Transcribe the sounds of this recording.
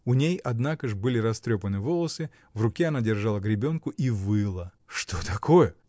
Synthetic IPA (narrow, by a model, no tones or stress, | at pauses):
ʊnʲejɐd̪nakəʐbɨlʲɪɾɐst̪ɾʲopənɨvo̞lˠəsɨ | vrʊkʲeɐnadʲɪrʐalˠəɡɾʲɪbʲo̞nkʊʔivɨlˠə | ʂt̪ot̪ɐkʰojə